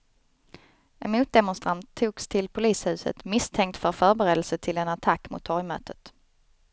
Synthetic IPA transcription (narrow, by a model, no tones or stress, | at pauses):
ɛnmuːt̪̚d̪ɛmʊnst̪ɾant̪ʰːuːkst̪ʰɪlpʰʊliːshʉ̟ːsə̰t̪mɪst̪ʰɛŋk̚t̪fœɾfœːɾbɛɾeːd̪əlsət̪ʰɪlɛnat̪ʰakːmʊ̰t̪ʰːɔɾjmœ̰ːt̪ʰət̪